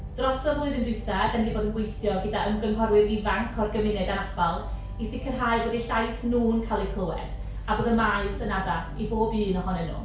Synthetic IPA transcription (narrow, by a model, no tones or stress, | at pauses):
d̥rɔsɔvʊɨðəndɪθaɡɛndiboːdənɡwejθjɔɡədaʔəmɡənɦɔɾwɪðivaŋkʰɔrɡəmɪnɨdanab̥alˠ | isɪkʰərɦaːɨbɔːdiɬajsnuːnkʰalˠekʰl̥ˠʊɛ̰d̥ | aboːdənmaɨsənadasiboːbɨːnɔɦɔnɛnṵ